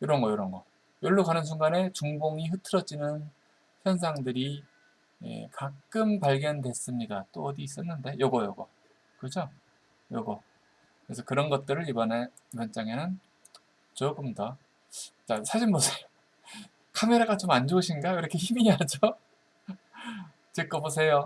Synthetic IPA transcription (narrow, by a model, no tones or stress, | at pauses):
jʌɾʌnɡʌjʌɾʌnɡʌ | jʌɭːukanɯns̬ʰuŋɡane̞t͡ɕuŋboŋiɸɯtʰɯɾʌd͡ʑinɯn | çjʌns̬ʰaŋdɯɾi | ḛkak͈ɯmpaɭɡjʌndwe̞s͈ɯmɲidat͈oʌdiːs͈ʌnːɯnde̞jʌɡʌjʌɡʌ̰ | kɯd͡ʑo | jʌɡʌ | kɯɾe̞sʰʌkɯɾʌnɡʌt̚t͈ɯɾɯɾibʌne̞ | mʌnt͡ɕ͈aŋe̞nɯn | t͡ɕoɡɯmda | t͡ɕasʰaɕʰinmosʰejo | kʰame̞ɾaɡat͡ɕomand͡ʑouɕʰinɡaiɾʌkʰe̞çimiɦad͡ʑo | t͡ɕik͈ʌbos̬ʰe̞jo